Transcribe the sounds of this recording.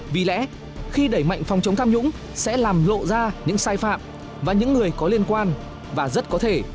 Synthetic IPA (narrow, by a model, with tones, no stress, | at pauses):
vi˨˩lɛ̰˧˥ | xi˧ɗə˧˩jma̰˧˨jŋ̟fɔ˨˩wŋ͡mt͡ɕə˨˦wŋ͡mt̪ʰaː˧mɲʊ̰˧˥ŋ͡m | sɛ̰˧˥laː˨˩mlo̰˧˨zaː˧ɲɨ̰˧˥ŋsaː˧jfa̰ː˧˨m | vaː˨˩ɲɨ̰˧˥ŋːɨ˨˩əjkɔ˨˦li˧ənkwaː˧n | vaː˨˩zə˦˥t̚kɔ˨˦t̪ʰe˧˩